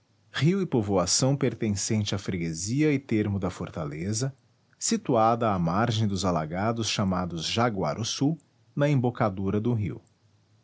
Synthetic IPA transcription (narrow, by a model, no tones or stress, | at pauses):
hiwɪpovoasɐ̃w̃peɾt̪ẽsẽnt͡ʃɪafɾeɡeziɐɪt̪eɾmʊd̪ɐfoɾt̪alezɐ | sit̪uad̪ɐːmaɾʒẽj̃d̪ʊzala̰ɡad̪ʊsʃamad̪ʊzʒaɡwa̰ɾʔʊsu | nɐẽbokad̪uɾɐd̪ʊɦḭw